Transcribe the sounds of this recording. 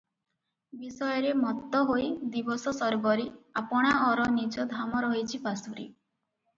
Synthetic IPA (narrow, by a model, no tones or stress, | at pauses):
bisɔjɔɾemɔt̪ːɔɦojd̪ibɔsɔsɔɾbɔɾiapɔɽ̃aɔɾɔnid͡ʒɔd̪ʱamɔɾɔɦit͡ʃʰipasuɾḭ